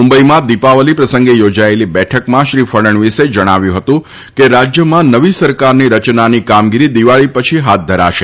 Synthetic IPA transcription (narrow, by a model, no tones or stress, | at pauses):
mumbəimãd̪ipaʋəlipɾəsə̃ŋɡejod͡ʒaelibɛʈʰəkmãʃɾifʰəɽəɳʋised͡ʒəɽ̃aʋjũɦət̪ũ | keɾad͡ʒjəmãnəʋisəɾkaɾniɾət͡ʃnanikamɡiɾid̪iʋaɭipət͡ʃʰiɦat̪̚d̪ʱəɾa̰ʃe